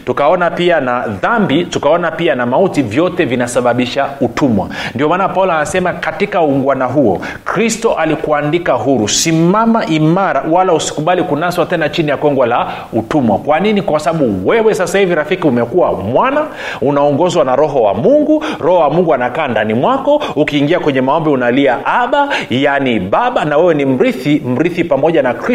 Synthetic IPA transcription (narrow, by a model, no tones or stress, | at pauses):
tukaɔnapianaðambitukaɔnapianamautivjɔtɛvinasaɓaɓiʃautʰumwa̰ndiɔmaːnapaulanasɛmakatikauŋɡwanaɦuɔ̰ | kɾistɔʔalikuandikaɦuɾusimamaʔimaɾa̰walausi̥kuɓalikunaswatɛnat͡ʃinijakwɛŋɡwala | utumwakwaninikwasaɓaɓuwɛwɛsasahiviɾafikiumɛkuwamwana | unaɔŋɡɔzwanaɾɔɦɔwa̰muŋɡuɾɔhɔwamuŋɡuanakaːndanimwakɔukiːŋɡiakwɛɲɛmaɔmbɛunaliaʔaɓajaniɓaɓanawɛwɛnim̩ɾiθim̩ɾiθipamɔʄanakɾi